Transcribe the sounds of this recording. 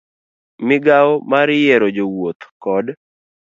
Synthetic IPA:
mɪɡaɔmaɾjɛɾod͡ʒowot̪kɔd

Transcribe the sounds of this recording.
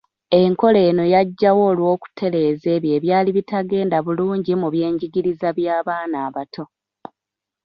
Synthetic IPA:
e̞ŋko̞le̞ːno̞jaɟːawo̞ːlwo̞ːku̥tʰe̞ɾe̞ːze̞ːβje̞ːβjaːliβitaɡe̞ːndaβuluːɲɟimuβje̞ːɲɟiɡiɾizaβjaːβaːnaːβatʰo̞

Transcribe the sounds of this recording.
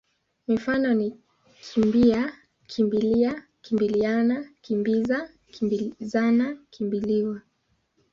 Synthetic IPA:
mifanɔni | kʰimbia | kʰimbilia | kimbilianakimbiza | kimbzanakʰimbiliwa

